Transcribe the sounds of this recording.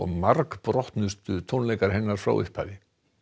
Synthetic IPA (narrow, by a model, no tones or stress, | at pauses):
ɔ̰ɣmaɾkpɾɔht̪nʏst̪ʏt̪ʰownlejkaɾ̥ɦɛnːaɾ̥fɾa̰wʔɪ̰hpʰa̰ːðɪ